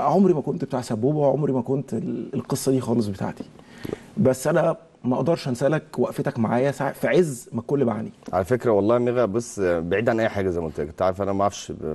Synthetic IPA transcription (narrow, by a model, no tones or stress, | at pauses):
ʕomɾimækont̪be̥t̪aːʕsæbːuːbæweʕomɾimækont̪elelqesˤːɑd̪iːxɑːles̬ˤbet̪a̰ʕt̪i̥ | bæsːʔænæ | mæʔɑʔd̪ɑɾˤʃʔænsælækwæʔfet̪ækmaʕaːjæsaʕfæʕezːmækolːbaʕaniʕalæfekɾæwɑlˤːɑːmeɣæʔbosːbeʕiːd̪ʔanʔæːjħaːɡæzæjmæont̪ækont̪aʕɾefʔænæmæʕafʃ